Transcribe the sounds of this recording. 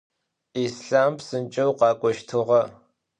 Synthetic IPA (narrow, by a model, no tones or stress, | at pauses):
iːsɬaːmpsɨnt͡ʃʼɐwqɑːkʷʼɔʃtʰɨʁɐ